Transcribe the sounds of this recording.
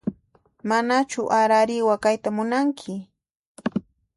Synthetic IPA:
manat͡ʃʊʔaɾaɾɪwakajt̪amʊnaŋkʰɪ

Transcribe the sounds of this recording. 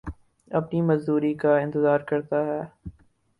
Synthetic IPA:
ɐpnimɐzd̪uːɾikaɪ̃nt̪ɪzaːɾkɐɾt̪aɦɛː

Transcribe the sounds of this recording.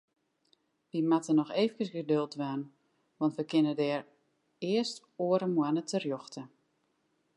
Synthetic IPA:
ʋimatənɔxeːvəkəsɡədølˠtʋan | ʋɑntʋəkɪnədɛːr | ɪəst | oəɾəmwanətərjɔxtə

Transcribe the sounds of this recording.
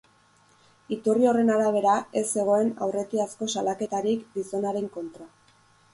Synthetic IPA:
it̪urio̞re̞naɾaβ̞e̞ɾae̞sːe̞ɣ̞o̞e̞na̰wre̞t̪iasko̞salake̞t̪aɾikd̪iso̞naɾe̞ŋko̞nt̪ɾa

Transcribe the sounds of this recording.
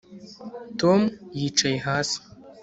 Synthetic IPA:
tʰomjiʈ͡ʂʰɐjħas

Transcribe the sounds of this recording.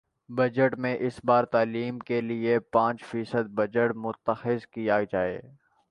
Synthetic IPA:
bɐd͡ʒəʈmẽʔɪsbaːɾt̪aːliːmkeliepãːt͡ʃfiːsəd̪̚bɐd͡ʒəʈmʊt̪ːəxɪzkijad͡ʒaːḛː

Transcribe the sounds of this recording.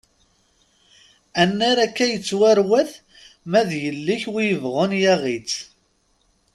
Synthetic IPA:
ænːæɾækːæjət͡sːwaɾwæθ | mæðjəlːiçwijəvʁʊnjæʁit͡s

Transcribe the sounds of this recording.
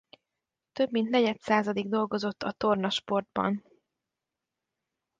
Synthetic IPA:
t̪øbmint̪nɛɟɛt̪saːzɒd̪iɡd̪o̞lɡo̞zo̞t̪ːɒt̪o̞rnɒʃpo̞rd̪̚bɒ̰n

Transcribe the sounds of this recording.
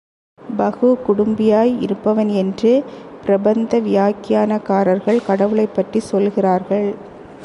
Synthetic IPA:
bɐɣɯkʊɽʊmbɪjaːjɪ̰ɾɯpːɐʋɐnɛndrɯpɪɾɐbɐnd̪ɐʋɪjaːkɪjaːnɐkaːɾɐɾɣɐɭkɐɽɐʋɯɭɐɪpːɐʈrisɔlɣɪraːɾɣɐɭ

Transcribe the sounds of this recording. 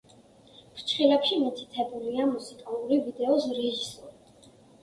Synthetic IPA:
pʰɾt͡ʃʰχilɛpʃimit̪ʰi̥t̪ʰɛbuliamusikʼalˠuɾivid̪ɛɔsɾɛʒisɔɾi

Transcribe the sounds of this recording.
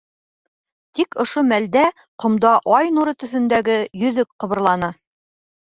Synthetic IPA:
t̪ikŏʃomæld̪æ | qŏmd̪ɑʔɑjnuɾɤt̪ɵ̆θɵ̆nd̪æɡɘjɵ̆ðɵk̚qɤ̆βɤ̆ɾlˠɑnɤ

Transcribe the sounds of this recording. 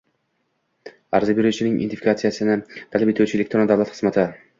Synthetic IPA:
aɾzɪbeɾut͡ʃʰɪnɪŋʔɪ̰nt̪ifi̥kat̪sijasɪnɪt̪ʰalapet̪ʰuwt͡ʃʰɪelek̚ʲt̪ɾond̪awlˠat̪χɨ̥zmat̪ʰɪ

